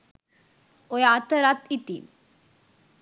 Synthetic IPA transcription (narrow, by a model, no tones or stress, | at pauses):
ojat̪əɾat̪it̪ḭn